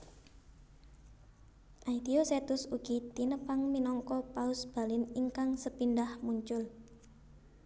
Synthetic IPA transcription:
ʔaid̪̥ioset̪ʊsuɡ̥it̪inəpaŋminɔŋkɔpaʊsb̥a̤lɪniŋkaŋsəpindahmuɲt͡ʃʊl

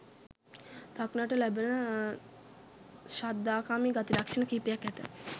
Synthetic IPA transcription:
t̪aknaʈəlæbənə | ʃad̪ːaːkaːmiɡat̪ilakʂənəkipijakːæt̪ə̰

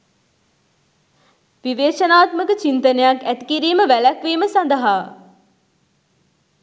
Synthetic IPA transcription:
ʋiʋeːʂɐnaːt̪məkət͡ʃint̪ənəjakæt̪ikiɾiːməʋælɐkʋiːməsand̪əɦaː

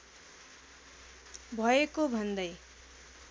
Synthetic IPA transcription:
bʱʌekobʱʌnd̪ʌj

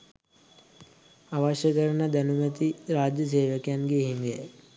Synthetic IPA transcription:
aʋaːʃəkəɾɐnɐd̪ɐnumət̪iɾaːd͡ʒjəs̬eːʋəkjanɡeɦimijɛ̰j

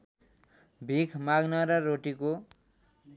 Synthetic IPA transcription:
bʱikʰmaɡnʌɾʌɾoʈiko

